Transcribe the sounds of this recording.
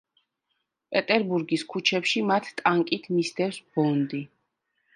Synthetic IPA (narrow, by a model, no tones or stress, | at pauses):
pʼɛt̪ʼɛɾbuɾɡiskʰut͡ʃʰɛpʃimat̪ʰt̪ʼaŋkʼit̪ʰmist̪ʰɛfsbɔnd̪i